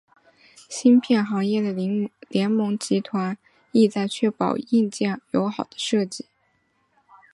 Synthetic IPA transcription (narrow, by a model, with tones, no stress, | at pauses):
ɕi˥npʰjɛ˥˩nxɑ˧˥ŋjɛ˥˩d̪ə˩ljɛ˧˥nmɤ˧˥ŋt͡ɕi˧˥t̪ʰwa˧˥n | i˥˧t͡sa˥˧ɪt͡ɕʰɥɛ˥pɑ˨˩ʊi˥˧nt͡ɕjɛ˥˩ŋjo˧˥ʊxɑ˨˩ʊd̪ə̥˦ʂɤ˥˧t͡ɕi˥˩